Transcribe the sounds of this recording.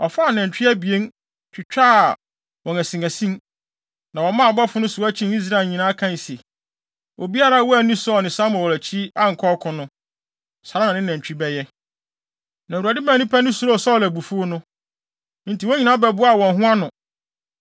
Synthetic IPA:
ɔ˨fa˦˨nɛ̃˨ɲ˨t͡ɕᶣi˦æ˦bi˨e˦n | t͡ɕᶣʰɪ˨t͡ɕᶣa˦˨ | wɔ̃˨næ˨sĩ˨ŋæ˨sĩ˦n | nã˨wɔ̃˨mã˦˨ɔ˨bɔ˦fʊ˦nʊ̃˦sʊ˨˦æ˦t͡ɕʰĩ˦ni˦s̬ɾa˦e˨lɲĩ˨nãː˦kʰã˦˨sɛ˨ | ʔo˨bi˦a˦ɾa˦wɔ˦æ˨nĩ˦sʊ˦ɔ˨nɪ̃˨sã˦mɔ˨wlæ˨t͡ɕʰi˦a˦ŋ̩˨kʰɔ˦kʰʊ̃˨nʊ̃˦ | sa˨ɾã˦nã˨nɪ̃˦næ̃˨ɲ˨t͡ɕᶣi˦bɛ˦jɛ˦ | nã˨u˨a˨dɪ˦mã˦˨nĩ˦pʰæ˦nʊ̃˦su˨ɾo˦˨sɔ˦˨læ˨bu˨fu˦o˦nʊ̃˦ | n̩˦ti˨wɔ˦ɲĩ˨nã˦bɛ˦bʊ˦a˦˨wɔ̃˨n˨ɦʊ̃˦a˦nʊ̃˨

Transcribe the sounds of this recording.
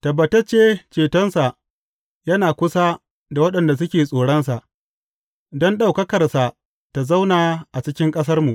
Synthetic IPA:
tɐ˨bɐ˨tɐ˦t͡ʃeː˦t͡ʃeː˨tɔ˦nsa˨ʔ | jɐ˦naː˨kʷʊ˦sa˦ | da˨wɐ˦ɗɐ˨nda˨s̬ʊ˦kʲeː˨sʼoː˨ɽɔ˦nsa˨ʔ | dɔ˦nɗa˨wkɐ˦kɐ˨rsa˨ | ta˨za˦wnaː˨ʔa˨t͡ʃɪ˦kʲɪ˦ŋkʼɐ˦s̬ɐ˦rmu˨ʔ

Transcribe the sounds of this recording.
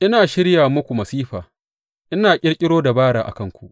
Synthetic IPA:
ʔɪ˦naː˨ʃɪ˦ɽjaː˨mʊ˦kʷu˨mɐ˨siː˦ɸaː˨ | ʔɪ˦naː˨kʲʼɪ˦ɽkʲʼɪ˦ɽoː˦da˨baː˦ɽa̰ː˨ʔa̰˨kɐ˦ŋkʷu˨ʔ

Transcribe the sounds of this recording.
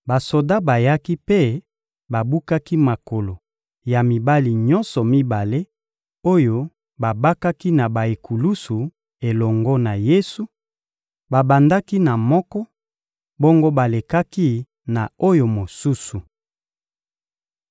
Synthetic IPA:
ba˨so˨da˦ba˨ja˦ki˦pe˦ | ba˨bu˦ka˦ki˦ma˨ko˨lo˨ | ja˨mi˨ba˦li˨ɲɔ˦nsɔ˨mi˦ba˨le˦ | o˦jo˦ | ba˨ba˦ka˦ki˦na˨ba˨e˨kʰu˨lu˦su˨ | e˨lɔ˨ŋɡɔ˦na˨je˦su˨ | ba˨ba˨nda˦ki˦na˨mɔ˦kɔ˦ | bo˦ŋɡo˦ba˨le˨ka˦ki˦ | na˨o˦jo˨mo˨su˦su˨

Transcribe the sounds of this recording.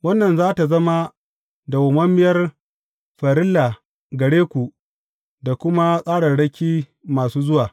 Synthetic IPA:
wɐ˦nːɐ˨nzaː˦ta˨zɐ˦ma˦ | da˨wʊ˨mɐ˦mːɪ˦jɐ˦r | ɸɐ˨ɾɪ˦lːa˨ | ɡɐ˨ɽeː˦kʷu˨ʔ | da˨kʷʊ˦ma˦sʼaː˦ɽɐ˨ɽɐ˦kʲiː˦maː˨suː˦zʊ˦waː˨

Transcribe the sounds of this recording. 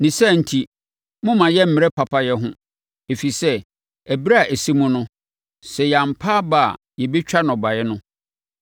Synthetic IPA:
nĩ˨sɛ˦˨n̩˨tʰi˨ | mʊ̃˦mã˨jɛ˦m̩˦mɪ̃˨ɾɛ˦pʰa˨pʰa˦jɛ˦ɦʊ̃˦ | e˨fi˨sɛ˦ | æ˨bɾa˦˨ʔæ˨si˦mũ˦nʊ̃˦ | sɛ˨ja˨m̩˨pʰaː˦ba̰˨ | jɛ˨be˦t͡ɕᶣa˦nɔ̃˨ba˨jɛ˦nʊ̃˦

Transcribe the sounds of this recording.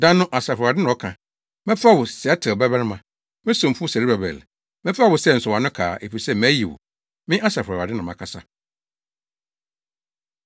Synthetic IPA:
dã˦nʊ̃˦ʔa˨sa˨fa˨dɪ˦nʊ̃˨ɔ˦kʰã˨ | mɛ̃˦fɪ˦a˦wʊ˨sɛ˨ɛ˦tʰɪ˨bɛ˦bɛ˦ɾɪ˦mã˨ | mɪ̃˦sʊ̃˨m˨fʊ˦sɛ˨ɾi˦bɛ˨bɛ̰˨l | mɛ˦fɪ˦a˦wʊ˨sɛ˦˨n̩˨sʊ˨wã˨nʊ̃˦kʰa̰ː˨ʔe˨fi˨sɛ˦˨mæ˨˦ji˨wʊ̰˨ | mɪ̃˦ʔa˦sa˨fʊ˨a˨a˨dɪ˦nʊ̃˨mã˨kʰa˨sa˦

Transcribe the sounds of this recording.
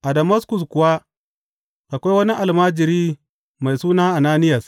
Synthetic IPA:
ʔa˨da˨ma˦skʊ˨skʊ˨wa˦ | ʔa˨kʷa˦jwɐ˦ni˦ʔa˨lmaː˦d͡ʒɪ˨ɾiː˦ | ma˨jsuː˦naː˦ʔa˨naː˦nɪ˦ja˨s

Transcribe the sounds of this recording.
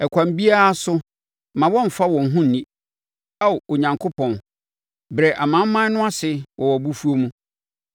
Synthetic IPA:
ɛ˨kʷʰã˨m˨bi˦a˦sʊ˦ | mã˨wɔ̃˦m̩˨fa˦wɔ̃˨n̩˨ɦũ˦n̩ː˨nĩ˦ | a˦˨o˨ɲã˨ŋkʰo˦pʰɔ̃˨n | bɾɛ˨ʔa˨mã˦m̩˦mã˦nʊ̃˦a˦sɪ˦wʔɔ̃˨wɔ˨bu˦fu˦o˦mũ˦

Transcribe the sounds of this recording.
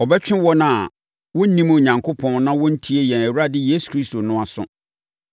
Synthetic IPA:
ɔ˨bɛ˦t͡ɕᶣɪ̃˦wɔ˦nã˨ | wʊ̃˦n̩˦nĩ˦m˨ɲã˨ŋkʰo˦pʰɔ̃˦n˦nã˦wɔ̃˦n̩˦tʰi˦e˦jɛ̃˨næ˨wu˦ɾa˦dɪ˦jeː˦su̥˨kʰɾi˦sto˨nʊ̃˦a˨sʊ̰̃˦

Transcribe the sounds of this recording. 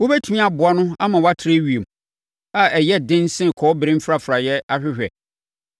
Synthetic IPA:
wo˦bɛ˦tʰu˦mĩ˦a˨bʊ˨a˦nʊ̃˦a˦mã˨wa˦tʰɾe˦ɥi˨e˨m | a˨ʔɛ˨jɛ˦dɪ̃˦n˦sɪ̃˦˨kʰɔː˨˦bɾɪ̃˦m̩˦fɾa˦fɾa˨jɛ˦a˦ɕᶣɪ˦ɕᶣɛ˨

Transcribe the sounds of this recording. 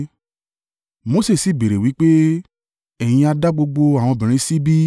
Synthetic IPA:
mo˨˧˦se˦˨si˨be˨ɾe˨wi˨˦k͡pe˦ | ɛ˨j̃ĩ˧a˧da˦ɡ͡bo˧ɡ͡bo˧a˨w̃ɔ̃˧bĩ˨ɾ̃ĩ˧˦si˦bi˦

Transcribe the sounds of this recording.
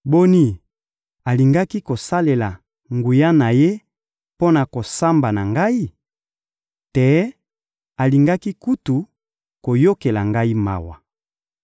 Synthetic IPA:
bo˦ni˦ | a˨li˨ŋɡa˦ki˦ko˨sa˦le˨la˨ | ŋɡu˨ja˦na˨je˦ | po˦na˨ko˨sa˦mba˨na˨ŋɡa˦i˦ | te˨˦ | a˨li˨ŋɡa˦ki˦ku˦tu˨ | ko˨jo˦ke˨la˨ŋɡa˦i˦ma̰˨wa̰˨

